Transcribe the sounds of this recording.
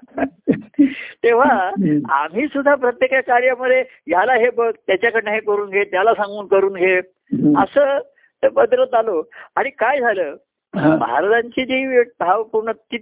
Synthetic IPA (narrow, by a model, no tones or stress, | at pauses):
t̪eʋ̤aa̰m̤iːsud̪ʱːapɾət̪jekakaɾjaməd̪ʱe | jalaɦebəɡ̚t̪jat͡ɕjakəɾneɦekəɾuːnɡʱet̪jalasãŋɡuːnkəɾuːnɡʱe | ə̰səː | t̪əbəd̪ɾət̪d͡zaloaɽ̃ikajd͡zʱaləː | bʱa̰ɾt̪aɲt͡ɕiːd͡ʑiʋbʱaʋpuɾɳət̪i